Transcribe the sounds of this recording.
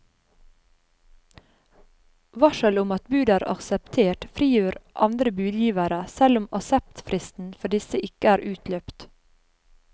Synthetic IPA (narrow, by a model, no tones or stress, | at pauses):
ʋɑʃəlʊmɑt̪bʉːd̪æːɾʔɑ̰ksəpt̪ʰeːʈfɾiːjøːɾʔɑnd̪ɾəbʉːd̪jiːʋæɾəsɛlʊmɑsɛp̚t̪fɾɪst̪n̩fɔɖɪsəʔɪkəæːɾʔʉːt̪løːpt̪